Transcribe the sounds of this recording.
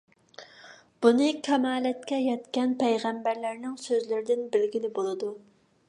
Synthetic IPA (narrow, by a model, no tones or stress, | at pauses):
b̥unɨkʲʰɛmɑːlɛt̪̚kʲɛjɛt̪kʲɛnpʰɛjʁæmbæɾlæɾnɪŋsøzlɪɾɪd̪ɪnbɪlɡʲilɪbolˠɨd̪u